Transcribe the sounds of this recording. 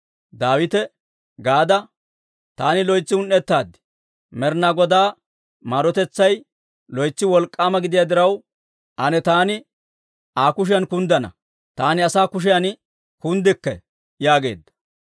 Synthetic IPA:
d̪aːwɪt̪ɛ | ɡaːd̪ɐ | t̪aːnɪlɔjt͡sːɪʊnːɛt̪ːaːd̪ːɪ̥ | mɛɾnɐɡɔd̪aː | maːɾɔt̪ɛt͡sːɐj | lɔjt͡sːɪwɔlkʼːaːmɐɡɪd̪ɪjad̪ɪɾɐw | ʔɐnɛt̪aːnɪ | aːkʊʃ̬ɪjɐnkʊnd̪ɐnɐ̰ | t̪aːnɪɐsaːkʊʃ̬ɪjɐn | kʊnd̪ɪkːɛ | jaːɡe̞̰ːd̪ːɐ̥

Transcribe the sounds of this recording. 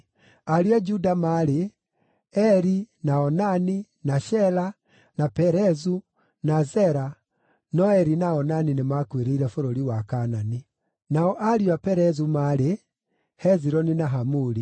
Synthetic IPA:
aɾiad͡ʒudamaɾe | ɛɾinaɔnani | naʃɛla | napɛɾɛzu | nazɛɾa | nɔɛɾinaɔnaninemakweɾeiɾɛfoɾoɾiwakanani | naɔʔaɾiwapɛɾɛzumaɾe | hɛziɾɔninaɦamuɾi

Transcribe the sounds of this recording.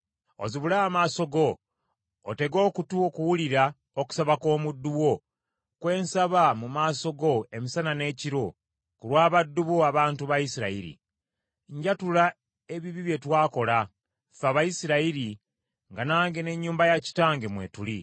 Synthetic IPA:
o̰ziβulaːmaːso̞ɡo̞ː | te̞ɡo̞ːkutuokuwuliɾa | oku̥saβako̞ːmudːuwo̞ | kwe̞ːnsaβamumaːso̞ɡo̞e̞misanane̞ːciɾo̞ | kuɾwaːβadːuβoaβaːntuβajisiɾaiɾḭ | ɲɟatula | e̞βiβiβje̞twaːko̞la | faβajisiɾaiɾi | ŋɡanaːŋɡe̞ne̞ɲːuːmbajaci̥taːŋɡemwe̞̰tuli

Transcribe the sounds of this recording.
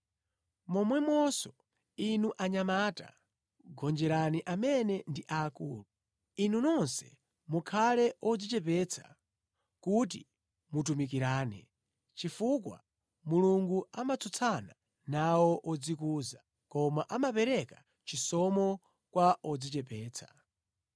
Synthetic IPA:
mɔmwɛmɔsɔ | inuʔaɲamata̰ | ɡɔnd͡ʒɛɾaniʔamɛnɛndiʔaːkuːlu | inunɔnsɛ̰ | mukʰalɛʔɔd͡zit͡ʃɛp̬ɛt͡sʰḁ̰ | kut̬i | mut̬umik̬iɾaːnɛ̰ | t͡ʃifukwa̰ | muluŋɡuamat͡sʰut͡sʰana | nawɔʔɔd͡zikuːza | kɔmaʔamapɛɾɛka | t͡ʃisɔmɔ | kwaʔɔd͡zit͡ʃɛpɛːt͡sʰḁ

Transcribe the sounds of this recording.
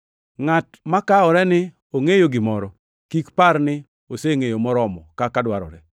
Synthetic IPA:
ŋat | makaɔɾɛnɪ | oŋejoɡɪmɔɾɔ | kikparnɪ | oseŋejomɔɾɔmɔkakadwaɾɔ̰ɾɛ

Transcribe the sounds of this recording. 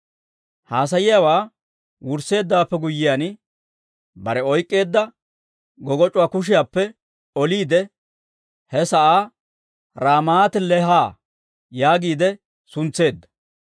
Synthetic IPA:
haːs̬ɐjɪjawaː | wʊɾse̞ːd̪ːaːpːɛɡʊjːɪjan | bɐɾɛɔjkʼːe̞ːd̪ːɐ | ɡɔɡɔt͡ʃʼʊwaːkʊʃ̬ɪjaːpːɛ | ɔliːd̪ɛ | hɛsɐʔaː | ɾaːmaːt̪ɪlɛɦaː | jaːɡiːd̪ɛ | sʊnt͡sːe̞ːd̪ːɐ̥

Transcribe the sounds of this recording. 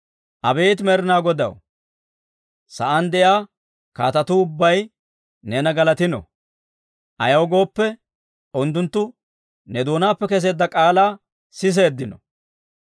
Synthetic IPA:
ʔɐbeːt̪mɛɾɪnaːɡɔd̪ɐ̰w | sɐʔɐnd̪ɛjaː | ka̰ːt̪ɐt̪ʊʊbːɐj | nɛnɐɡɐlɐt̪ɪnɔ̰ | ʔɐ̰jɐwɡo̞ːpːɛ | ɔnt̪ːʊnt̪ːʊ | nɛd̪o̞ːnaːpːɛkɛs̬e̞ːd̪ːɐkʼaːlaː | sɪs̬e̞ːd̪ːɪnɔ̰

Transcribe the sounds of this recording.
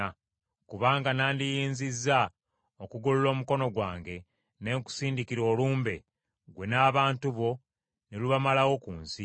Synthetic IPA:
a | kuβaːŋɡanaːndijiːnzizːa | okuɡululo̞ːmuko̞no̞ɡwaːŋɡe̞ | ne̞ːŋku̥siːndikiɾo̞ːluːmbe̞ | ɡwe̞naːβaːntuβo̞ | neluβamalawo̞kuːnsi

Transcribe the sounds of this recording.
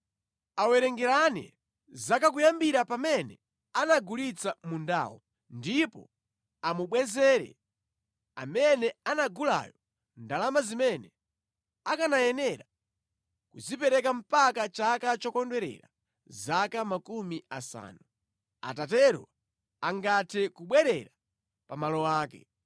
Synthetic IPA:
awɛɾɛŋɡɛɾanɛ̰ | zakakujambiɾapamɛnɛ | anaɡulit͡samunda̰wɔ | ndipɔ̰ | amuɓwɛzɛːɾɛ̰ | amɛnɛanaɡula̰jɔ | ndalamazimɛnɛ | akanajɛnɛɾa | kuzipɛɾɛkam̩pakat͡ʃakat͡ʃɔkɔndwɛɾɛ̰ɾa | zakamakumiasa̰ːnu | a̰tatɛɾɔ̰ | aŋɡatʰɛkuɓwɛɾɛɾa | pamalɔwaːkɛ

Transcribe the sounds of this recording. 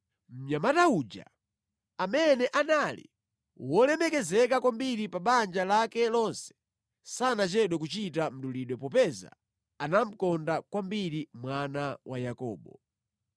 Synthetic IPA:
m̩ɲamataud͡ʒa̰ | amɛnɛʔanalḭ | wɔlɛmɛkɛzɛkakwambiɾipaɓand͡ʒalakɛlɔnsɛ̥ | sanat͡ʃɛɗɔkut͡ʃitam̩ɗuliɗwɛpɔpɛza̰ | anam̩kɔndakwambiɾimwanawajakɔ̰ːɓɔ

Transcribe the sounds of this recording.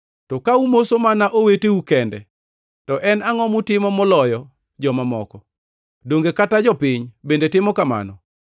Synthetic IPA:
tɔkaumosomanaʔoweteukɛndɛ̰ | tɔʔɛnaŋɔmʊtɪmɔmɔlɔjɔ | d͡ʒɔmamɔkɔ | doŋɡekatad͡ʒɔpɪɲbendetɪmɔkama̰nɔ

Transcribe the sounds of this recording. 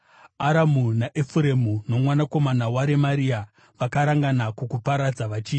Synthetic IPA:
aɾamunaʔefuɾemuno̞mwanako̞manawaɾe̞maɾia | ʋakaɾaŋɡanakukupaɾad͡zaʋat͡ʃiː

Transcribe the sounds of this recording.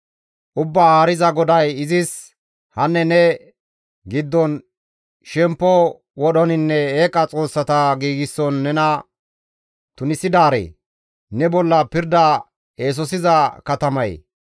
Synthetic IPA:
ʔʊbːahaːɾɪzɐɡɔd̪ɐjɪzɪs | hɐnːɛnɛ | ɡɪd̪ːɔn | ʃɛmpːɔ | wɔɗɔnɪnːɛeːkʼɐt͡sʼo̞ːsːɐt̪ɐɡiːɡɪsːɔnːɛnɐ | t̪ʊnɪsɪd̪aːɾḛː | nɛbɔlːɐpɪɾd̪ɐ | eːs̬ɔsɪzɐkɐt̪ɐmɐj

